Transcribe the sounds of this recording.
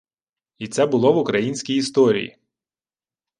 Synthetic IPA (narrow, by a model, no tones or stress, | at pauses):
it̪sɛbʊlˠɔʋʊkɾɐjinʲsʲkʲijist̪ɔɾʲḭjḭ